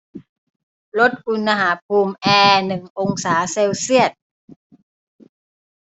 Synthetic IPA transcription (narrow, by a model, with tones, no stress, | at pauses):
lo˦˥t̪̚ʔu˧nːa˧ɦaː˩˦pʰuː˧mʔɛː˧nɯ˨˩ŋʔo˧ŋsaː˩˦seː˧wsi˥˩ət̪̚